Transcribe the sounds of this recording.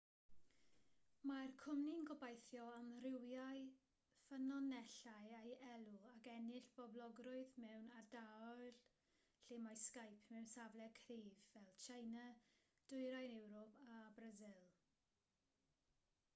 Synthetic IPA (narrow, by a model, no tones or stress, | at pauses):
markʰʊmninɡɔbajθjɔamrɪwjaɨ | fənɔnɛɬaɨejɛlˠʊakɛnɪɬb̥ɔblˠɔɡrʊɨðmɛwnardaɔɮ | ɬɪmajskajpʰmɛwnsavlˠɛkʰriːvːɛlˠt͡ʃʰajna | d̥ʊɨɾajnɛwɾɔpʰabrazɪlˠ